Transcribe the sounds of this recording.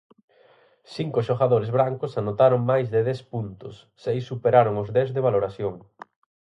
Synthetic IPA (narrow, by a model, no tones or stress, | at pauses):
siŋkʊʃoɣaðoɾezβɾaŋkʊsanot̪aɾoŋmajzðeðɛspunt̪ʊsːejsːupeɾaɾoŋozðɛzðeβaloɾasjoŋ